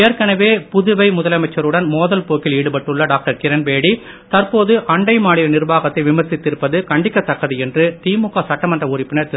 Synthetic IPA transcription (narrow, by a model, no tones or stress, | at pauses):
eːɾkɐnɐʋeːpʊðɯʋɐɪmʊðɐlɐmɐɪt͡ʃːɐɾɯɽɐnmoːðɐlpoːkɪliːɽɯpɐʈːɯɭːɐɖaːk̚ʈɐɾkɪɾɐnbeːɽi | t̪ɐɾpoːðɯʔɐɳɖɐɪmaːɽɪlɐnɪɾɯbaːɣɐt̪ːɐɪʋɪmɐɾsɪt̪ːɪɾɯpːɐðɯkɐɳɖɪkːɐt̪ːɐkːɐðɯɛndrɯt̪iːmʊkasɐʈːɐmɐndrɐʊɾɪpːɪnɐɾt̪ɪ